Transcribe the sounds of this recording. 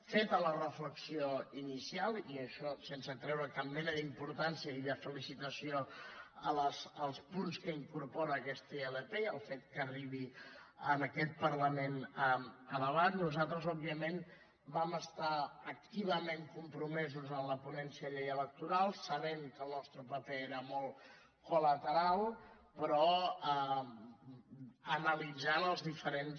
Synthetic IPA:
fet̪ələrəfləksioinisialˠiəʃɔsensət̪ɾɛwɾəkammɛnəðimpuɾt̪ansiəiðəfəlisit̪əsioələsəlˠspunskəiŋkuɾpɔɾəːkɛst̪əeləpeəlˠfet̪̚kəriβ̞iənəkɛt̪̚pəɾləmenəmələβat̪nuzat̪ɾəzɔbiəmen | baməst̪aək̚t̪iβəmeŋkumpɾumɛzuzəmləpunɛnsiəʎejələk̚t̪uɾalˠsəβɛmkəlˠnɔst̪ɾəpəpɛeɾəmɔlˠ | kulət̪əɾalˠ | pɾɔə | ənəlid͡zanəlˠzðifəɾen

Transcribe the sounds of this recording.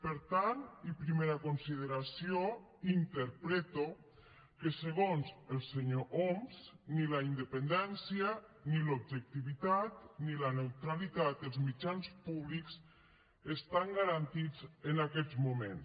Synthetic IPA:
pəɾt̪anipɾimeɾakonsiðeɾasio | int̪əɾpɾet̪o | keseɣonzəlˠseɲoʔomznilaind̪əpend̪ɛnsianilob̚ʒək̚t̪iβit̪at̪nilanewt̪ɾalit̪at̪əlˠzmid͡ʒanspuβlikz̥ | est̪aŋɡaɾant̪id͡zenakɛzmumḛn

